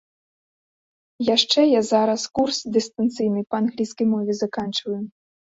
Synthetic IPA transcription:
jaʂt͡ʂɛjazaɾɐskursd̪ɨst̪ant̪sɨjnɨjpɐanɣlʲijskɐjmɔvʲɛzakant͡ʂvɐju

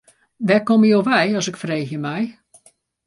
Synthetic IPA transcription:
ʋɛkɔməjoːʋɛjɔsɪkfreːxjəmɛj

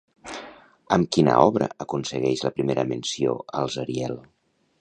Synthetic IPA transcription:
əmkinəɔβɾəəkunsəɣɛʃləpɾimeɾəmənsioəlˠzəɾiɛlˠ

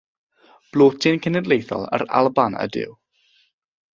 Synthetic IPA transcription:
b̥lˠoːtʰɨnkʰɛnɛdlˠejθɔ̰lˠə̰ɾa̰lˠbanə̰dɪ̰w

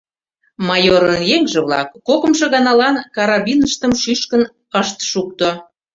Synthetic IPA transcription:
mɑjoɾənjeŋʒĕβlɑ̰kːokə̆mʒĕɣɑnɑlɑnkɑɾɑβʲinəʃt̪əmʃyʃkən | əʃt̪ʃuk̚t̪o

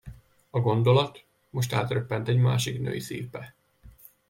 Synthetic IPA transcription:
ɒɡo̞nd̪o̞lɒt̪ | mo̞ʃ̬t̪a̰ːt̪røpːɛnt̪ɛɟma̰ːʃiknø̰ːjisḭːpɛ

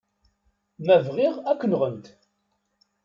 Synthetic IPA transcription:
mævʁɪʁækːənʁənt̪

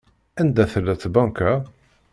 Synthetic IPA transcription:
ænd̪æθəlːæt͡sːbɑ̃ŋka

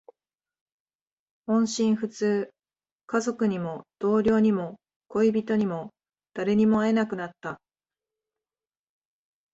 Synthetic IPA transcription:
hõ̞ɰ̃ɕĩɰ̃ɸɯ̟t͡sɨː | kazo̞kɯ̟ɲ̟imo̞d̪̥o̞ːɾʲjo̞ːɲ̟imo̞ | ko̞ibʲit̪o̞ɲ̟imo̞ | d̪̥aɾe̞ɲ̟imo̞ae̞nakɯ̟nat̪ːa

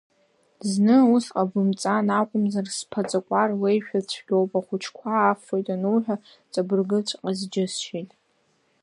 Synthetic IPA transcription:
znɨusqʼabɨmt͡sʼanakʷʼʊmzarspʰat͡sʼakʷʼarwejʃᶣat͡ɕʷʰɡ̥ʲowpʼaχʷʊt͡ʃʰkʷʰaːfojtʼanuħᶣa | t͡sʼabɨrɡɨt͡ɕʷʰqʼazd͡ʒɪsʃejtʼ

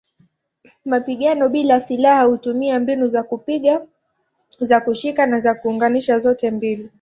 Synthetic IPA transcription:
mapiɠanɔɓilasilahahutumiambinuzakupiɠa | zakuʃikanazakuːŋɡaniʃazɔtɛmbili

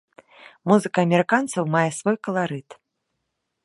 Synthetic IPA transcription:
muzɨkɐːmʲɛɾɨkant̪sɐwmajɛsvɔjkɐlˠaɾɨt̪

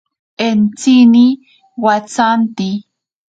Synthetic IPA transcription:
ent͡sini | wat͡sant̪i

